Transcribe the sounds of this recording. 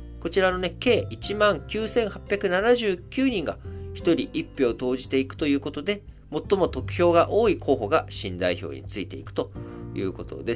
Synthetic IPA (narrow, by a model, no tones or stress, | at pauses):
ko̞t͡ɕiɾano̞ne̞ke̞ːʔit͡ɕimãŋkʲɨːsẽ̞ɰ̃hapʲjakɯ̟nanaʑɨːkʲɨːɲ̟ĩŋɡa̰çi̥t̪o̞ɾʲiʔipʲːjoːt̪o̞ːʑit̪e̞ikɯ̟̥t̪o̞jɯ̟ːko̞t̪o̞d̪e̞ | mo̞t̪ːo̞mo̞t̪okɯ̟̥çʲo̞ːɡaʔo̞ːikʰo̞ːɦo̞ɡaɕĩnd̪a̰iço̞̰ːɲ̟ḭt͡sɨit̪e̞ḭkɯ̥t̪ojɯ̟̰ːko̞t̪o̞̰d̪e